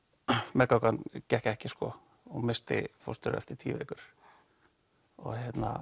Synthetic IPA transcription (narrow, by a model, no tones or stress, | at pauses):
mɛkakancɛhcɛhcɪskɔ | ɔmɪst̪ɪ̰fo̰st̪ʏɾɛ̰ft̪ɪt̪ʰiːvḛːkʏɾ̥ | ɔ̰ɣçjɛt̪na